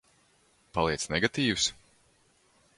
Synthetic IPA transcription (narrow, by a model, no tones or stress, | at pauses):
palˠiɛsnɛɡat̪iːvs